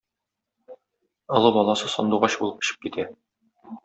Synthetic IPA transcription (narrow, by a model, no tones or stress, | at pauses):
ŏlˠɤbɒlˠɑsɤsɒ̰nd̪uʁɑɕbṵlˠɤpɘ̆ɕɘ̥p̚kit̪æ